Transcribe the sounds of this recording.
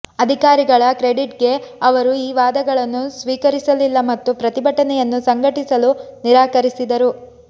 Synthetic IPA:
ɐd̪ʱikaːɾiɡɐɭɐkɾeɖiʈ̚ɡe̞ɐʋɐɾuiːʋaːd̪ɐɡɐɭɐnːusʋiːkɐɾisɐlilːɐmɐt̪ːupɾɐt̪ibʱɐʈɐnɛjɐnːusɐŋɡʱɐʈisɐluniɾaːkɐɾisid̪ɐɾu

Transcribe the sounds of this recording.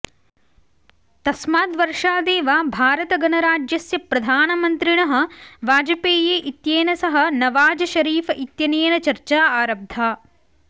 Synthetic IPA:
t̪ɐsmaːd̪ʋɐɾʂaːd̪eːʋaːbʱaːɾɐt̪ɐɡɐnɐɾaːd͡ʒjɐsjɐpɾɐd̪ʱaːnɐmɐnt̪ɾiɳɐɦɐ̆ʋaːd͡ʒɐpeːjeːʔit̪jeːnɐsɐɦɐ̆nɐʋaːd͡ʒɐʃɐɾiːfɐʔit̪jɐneːnɐt͡ʃɐɾt͡ʃaːaːɾɐb̚d̪ʱaː

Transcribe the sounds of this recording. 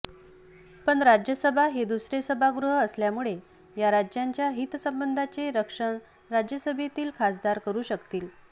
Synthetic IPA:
pəɳɾad͡ʑjəsəbʱaɦed̪usɾesəbʱaɡɾuɦəəsljamuɭe | jaɾad͡ʑjaɲt͡ɕjaɦit̪səmbənd̪ʱat͡seɾəkʂəɳ | ɾad͡ʑjəsəbʱet̪iːlkʰasd̪aɾkəɾuːɕəkt̪iːl

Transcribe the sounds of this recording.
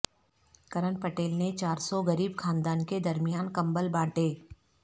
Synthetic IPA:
kɐɾənpɐʈeːlnet͡ʃaːɾsɔɡɐɾiːbxʰãːnd̪aːnked̪ɐɾmijaːnkɐ̃mbəlbãːʈeː

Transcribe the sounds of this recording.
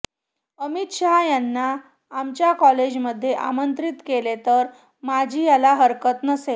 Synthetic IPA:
əmit̪ɕaɦjanːaː | mt͡ɕjakɔled͡ʑməd̪ʱːjeʔa̰mənt̪ɾit̪kelet̪əɾ | mad͡ʑʱiːjalaɦəɾkət̪nəse

